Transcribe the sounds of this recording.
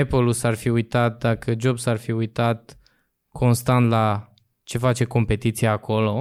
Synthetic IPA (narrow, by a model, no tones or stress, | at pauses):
epolusarfiujt̪at̪̚d̪akəd͡ʒo̞bsarfiujt̪at̪̚ | kʰo̞nst̪ant̪la | t͡ʃe̞fat͡ʃe̞ko̞mpe̞t̪it̪sijaːko̞lo̞